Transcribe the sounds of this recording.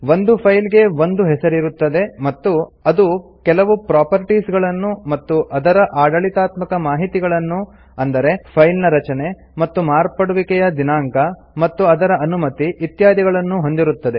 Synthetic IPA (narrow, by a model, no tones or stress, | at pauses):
ʋo̞nd̪upʰɐjlɡe̞ʋo̞nd̪uɦɛsɐɾiɾut̪ːɐd̪e̞mɐt̪ːuɐd̪ukɛlɐʋupɾaːpɐɾʈiːsɡɐɭɐnːumɐt̪ːuʔɐd̪ɐɾɐʔaːɖɐɭit̪aːt̪mɐkɐmaːɦit̪iɡɐɭɐnːu | ɐnd̪ɐɾe̞pʰɐjlnɐɾɐt͡ʃɐne̞ | mɐt̪ːumaːɾpɐɽuʋikɛjɐd̪inaːŋkɐ | mɐt̪ːuɐd̪ɐɾɐʔɐnumɐt̪iʔit̪jaːd̪iɡɐɭɐnːuɦo̞nd̪iɾut̪ːɐd̪e